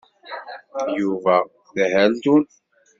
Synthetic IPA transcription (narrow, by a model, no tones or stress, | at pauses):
juvæ | ðhælt̪un